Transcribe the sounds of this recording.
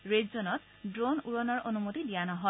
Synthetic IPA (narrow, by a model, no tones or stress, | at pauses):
ɹedzɔnɔt̚ | dɹonuɹɔnɔɹʔonumotidijanɔɦɔ